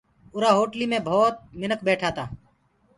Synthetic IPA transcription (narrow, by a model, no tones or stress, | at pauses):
ʊɾaːɦoːʈliːmẽːbʱoːt̪̚mɪnəkbeːʈʰaːt̪aː